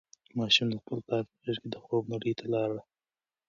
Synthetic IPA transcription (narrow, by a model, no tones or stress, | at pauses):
mɑʃumd̪əxpəlkɑɾpəɣeɾked̪əxobnaɽit̪ʰalɑɾa